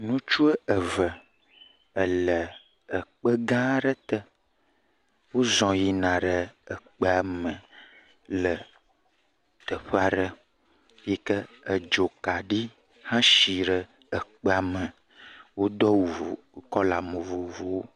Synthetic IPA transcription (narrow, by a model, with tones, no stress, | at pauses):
nũ˦t͡ʃu˦ə˦ʔə˨və˨ | ə˨lə˨ | ə˨k͡pə˦ɡã˦ɖə˦t̪ə˦ | wo˦zɔ̃˨ji˦nã˨ɖə˨ə˨k͡pə˦a˨mə˨ | lə˨ | t̪ə˨ɸə˦a˨ɖə˦ | jɛ˦kə˦ | ə˨d͡ʒo˨ka˨ɖi˦ | hã˦ʃi˨ɖə˨ | ə˨k͡pə˦a˨mə˨ | wo˦d̪ɔ˦wu˨vo˨˦kɔ˦la˨mə˨vo˨vo˨wo˦